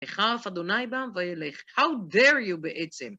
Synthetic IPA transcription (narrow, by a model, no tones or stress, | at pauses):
eχaafad̪onajbamvajeleχhawdɛɹjubeʔɛt͡sem